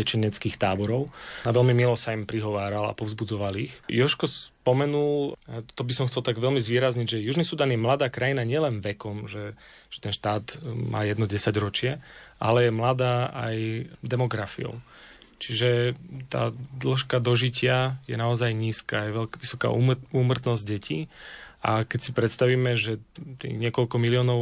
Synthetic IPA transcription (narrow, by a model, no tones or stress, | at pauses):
ɛt͡ʃiɲɛt͡skiːxt̪aːbɔɾɔʊaʋɛlmimilɔsaimpɾiɦɔʋaːɾala̰pɔvzbud͡zɔʋalixjɔʃkɔspɔmɛnult̪ɔbisɔmxt͡sɛlt̪aɡʋɛlmizʋɪiɛːɾazɲiɟʒɛjuʒnisud̪aːnjɛmlad̪aːkɾajinaɲɪɛlɛnʋɛkɔmʒɛʒ̥ɛt̪ɛnʃt̪aːt̪ma̰ːjɛd̪nɔɟɛsaɟɾɔt͡ʃɪɛʔalɛjɛmlad̪aːʔa̰jd̪ɛmɔɡɾafḭɔ̰ʊt͡ʃiʒɛt̪a̰ːd̪l̩ʃkad̪ɔʒicɪajɛnaɔzajɲiːskaːjɛʋɛlʋisɔka̰ːuuːmr̩t̪nɔzɟ̚ɟɛcʰiːʔakɛcsipɾɛt̪st̪aʋiːmɛʒɛt̪ḭːɣɲɪɛkɔlkɔmiliɔːnɔʊ